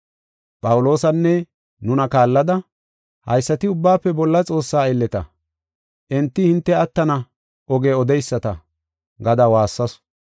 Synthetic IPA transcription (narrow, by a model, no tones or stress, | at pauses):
pʼɐwʊlo̞ːsɐnːɛ | nʊnɐkaːlːɐd̪ɐ | hɐ̰jsːɐt̪ɪʊbːaːpːɛbɔlːɐt͡sʼo̞ːsːaːɛlːɛt̪ɐ̰ | ʔɛnt̪ːɪhɪnt̪ːɛɐt̪ːɐnɐ | ʔɔɡeːɔd̪ɛjsːɐt̪ɐ | ɡɐd̪awaːsːɐsʊ̥